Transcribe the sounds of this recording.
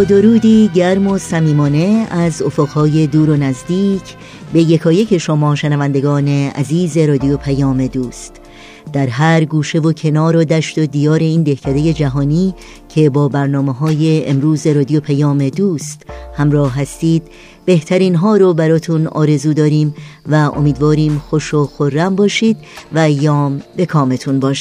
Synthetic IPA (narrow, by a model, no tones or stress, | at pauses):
od̪oɾuːd̪iːɟæɾmo̞sæmiːmɒːne̞æzofoɣhɒːje̞d̪uːɾo̞næzd̪iːcʰ | be̞jekʰɒːjecʰe̞ʃomɒːʃenævænd̪e̞ɡɒːne̞æ̰ziːze̞ɾɒːd̪ijopʰæjɒːme̞d̪uːst̪ | d̪̥æɾɦæɾɡuːʃe̞vocʰe̞nɒːɾɒːd̪æʃt̪od̪iːjɒːɾe̞iːnd̪e̞hcʰæd̪ejed͡ʒæɦɒːniː | cʰe̞bɒːbæɾnɒːmeɦɒːje̞ḛmɾuːze̞ɾɒːd̪ijopʰæjɒːme̞d̪uːst̪hæmɾɒːhɦɦæst̪iːd̪̥ | be̞ht̪ʰæɾiːnɦɒːɾobæɾɒːt̪ʰunɒ̰ːɾe̞zuːd̪ɒːɾiːmvæʔo̰miːd̪vɒːɾiːmxo̞ʃoxorːæmbɒːʃiːd̪væjɒːmbe̞kʰɒːme̞t̪ʰunbɒːʃi̥